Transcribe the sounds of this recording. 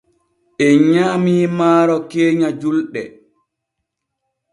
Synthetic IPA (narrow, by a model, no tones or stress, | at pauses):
ʔɛɲaːmiːmaːɾɔkeːɲad͡ʒulɗɛ̰